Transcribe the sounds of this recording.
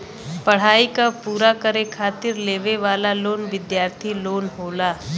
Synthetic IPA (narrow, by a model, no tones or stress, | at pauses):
pəɽ̤aːikapuːɾakəɾekʰaːt̪ɪɾleːʋeʋaːlaloːnʋɪd̪jaːɾt̪ʰiloːnɦoːlaː